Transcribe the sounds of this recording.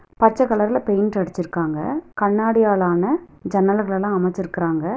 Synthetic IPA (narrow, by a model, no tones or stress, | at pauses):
pɐt͡ʃːɐkːɐɭɐɾɪlɐpejnʈɐɽɪt͡ʃːɪɾɯkːaːŋɡɐ̰kɐɳːaːɽɪjaːɭaːnɐd͡ʒɐnːɐlɣɐɭɛlãːɐmɐt͡ʃːɪɾɯkːɪɾaːŋɡɐ